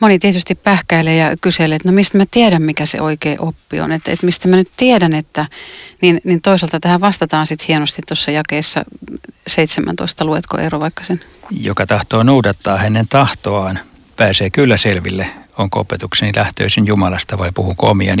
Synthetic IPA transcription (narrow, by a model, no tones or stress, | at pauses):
monit̪iet̪yst̪ippæhkæilejɑkyselet̪nomist̪mæt̪ieɾæmmikæsḛʔoikeːʔopːḭo̰net̪ḛt̪mist̪æmænyt̪t̪iedænet̪ːæninnint̪oisɑlt̪ɑt̪æhæʋɑst̪ɑt̪ɑːnsit̪hienost̪it̪t̪osːɑjɑkeːsːɑ̰seit̪semʔæ̰nt̪o̰ist̪ɑluet̪ko̰ʔḛroʋɑikːɑ̥sen | jo̰kɑt̪ɑht̪oːnuudɑt̪ːɑːhænːent̪ɑht̪oɑːn | pæːseːkylːæselʋilːeoŋko̰pet̪uksenilʔæht̪ø̰ːsinjumɑlɑst̪ɑʋɑipuhukoomiɑ̰n